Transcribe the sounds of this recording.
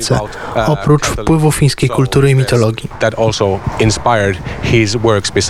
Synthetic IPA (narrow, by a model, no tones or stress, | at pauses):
sɛ̰ | ɔpɾut͡ʂfpwɘvufʲij̃skʲejkult̪uɾɘimʲit̪ɔlɔɡʲiðæɾɔlˠsoʊɪ̃nspaɪə˞dhɪzwɜ˞kspɪs